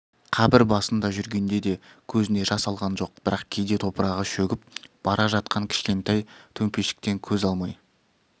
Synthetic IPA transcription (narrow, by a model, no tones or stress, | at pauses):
qʰɑbɪɾbɑsənd̪ɑʒʏɾɡʲe̞nd̪e̞d̪e̞kʲʰɵzɪne̞ʒɑsɑlˠʁɑnʒo̞q̚b̥ɪɾɑqkʲʰe̞jd̪e̞t̪ʰo̞pəɾɑʁəʃɵɡʲɪp̚b̥ɑɾʔɑʒɑt̪̚qɑŋkʲʰɪ̥ʃkʲe̞nt̪ɑjt̪ʰɵmpe̞ʃɪ̥k̚t̪e̞ŋkʲʰɵzɑlˠmɑj